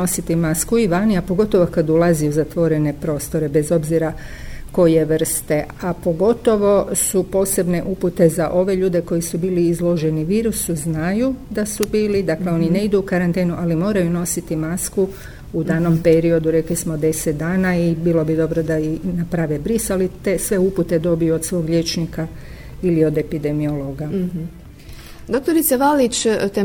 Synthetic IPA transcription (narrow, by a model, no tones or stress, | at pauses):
no̞sit̪imaskuiʋaniapo̞ɡo̞t̪o̞ʋokad̪ulˠaziuzat̪ʋo̞ɾe̞ne̞pɾo̞ːst̪o̞ɾe̞be̞zo̞bziɾa | ko̞je̞ʋr̩st̪e̞apo̞ɡo̞t̪o̞ʋo̞supo̞ːse̞bne̞ʔuput̪e̞zaʔo̞ʋe̞ʎuːd̪e̞ko̞jisubiːliːzlˠo̞ʒeniʋiːɾusuznajud̪asubiːlid̪akle̞o̞nine̞id̪uːkaɾant̪eːnuʔalimo̞ːɾajuno̞sit̪imasku | ud̪aːno̞mpeɾio̞d̪uɾe̞klismod̪e̞set̪̚d̪aːnaibiːlo̞bid̪o̞bɾod̪ainapɾaʋebɾisalit̪e̞sʋe̞uput̪e̞d̪o̞bijuod̪sʋo̞ːɡʎʲe̞t͡ʃnika | ilio̞d̪e̞pid̪e̞mioloɡa | d̪ok̚t̪oɾit̪seʋalit͡ʃt̪e